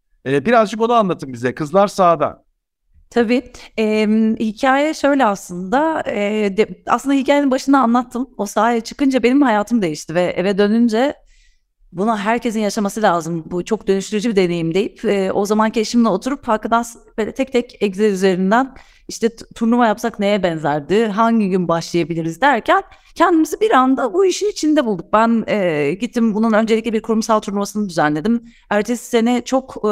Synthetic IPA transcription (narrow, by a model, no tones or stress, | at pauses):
ɛːbiɾazd͡ʒɯko̞naanlˠat̪ʰɯmbizɛkʰɯzlˠaɾsaːd̪a̰n | t̪ʰabiːɛmhicʰaːjɛʃø̞jlʲɛaslˠɯnd̪aɛːd̪a̰slɯnd̪hicʰaːjeinbaʃɯnd̪aːnlˠat̪ʰːɯmo̞saːijɛt͡ʃʰɯ̥kɯnd͡ʒabe̞nimhajaːt̪ʰɯmd̪e̞jiʃt̪ʰivɛʔevɛd̪ø̞nynd͡ʒɛ | bunaɦæɾcʰe̞sinjaʃamasɯlʲaːzɯmbut͡ʃʰo̞k̚d̪ø̞nyʃt̪yɾyd͡ʒubid̪e̞ne̞jimd̪e̞jipɛːʔo̞zamancʰeʃimlɛo̞t̪ʰuɾuphaɾkɯd̪asɯnbelʲɛt̪ʰɛc̚t̪ʰɛcɛczɛɾyze̞ɾind̪æn | iʃt̪ʰɛt̪ʰuɾlˠumajapsakne̞jɛbɛnzæɾd̪ɪɦaɲɟiɟynbaʃlˠajabilʲiɾizd̪æɾcʰæn | cʰɛnd̪imizibiɾand̪abuiʃinit͡ʃʰind̪ɛbulˠd̪uk̚bænɛːɟit̪ʰːimbununø̞nd͡ʒelʲicʲlʲɛbiɾkʰuɾumsalˠt̪ʰuɾlˠumasɯnɯd̪yzænlʲe̞d̪im | æɾt͡ʃʰessenɛt͡ʃʰo̞k